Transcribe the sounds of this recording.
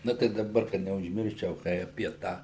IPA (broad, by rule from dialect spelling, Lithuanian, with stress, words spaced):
ˈnʊ tɐɪ dɐˈbɐr kɐt nʲɛʊʒʲˈmʲɪrʲʃʲt͡ʃʲɛʊ ˈkɐɪ ɐpʲiɛ ˈtɑː